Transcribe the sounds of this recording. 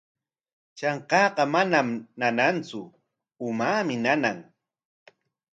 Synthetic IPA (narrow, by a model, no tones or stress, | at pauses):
t͡ʃɑɴqɑːqɑmanamnanant͡sʊ | ʊmaːmɪnanaŋ